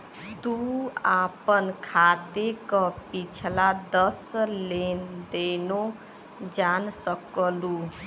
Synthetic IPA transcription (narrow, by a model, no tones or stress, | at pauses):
d̪uapənkʰad̪ekəpit͡ʃʰlad̪əslend̪eno | d͡ʒansəklu